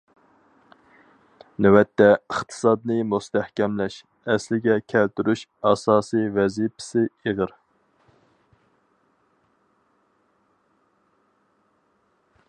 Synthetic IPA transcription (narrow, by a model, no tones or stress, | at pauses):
nɛwɛt̪ʰːɛəχt̪ʰɨ̥sɑd̪̚nɨmust̪ʰæhkʲɛmlɛʃ | ɛslɪɡʲɛkʲʰælt̪yɾyʃɑsɑːsivɛzipʰɪ̥sɪeʁəɾ